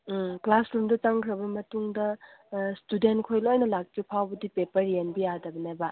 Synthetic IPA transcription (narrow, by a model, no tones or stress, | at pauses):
klasɾumdɐt͡ʃaŋkʰɾɐbɐmɐtuŋdɐstudentkʰojloajnɐlak̚tupʰawbɐdipepɐɾjenbijadɐbɐnajba